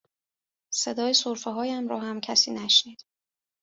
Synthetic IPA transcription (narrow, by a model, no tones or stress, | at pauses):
se̞d̪ɒːjesoɾfeɦɒːjæmɾɒːɦæmcʰæsiːnæʃniːd̪̥